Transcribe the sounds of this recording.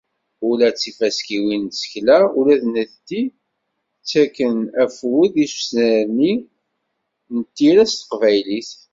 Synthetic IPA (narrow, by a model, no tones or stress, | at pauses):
ʊlæt͡sːifæskiwint͡sːə̥çlæʊlæðnəðt̪ːi | t͡sːækːənæfwuðisu̥snæɾni | nət̪ːiɾæst̪ə̥qvæjliθ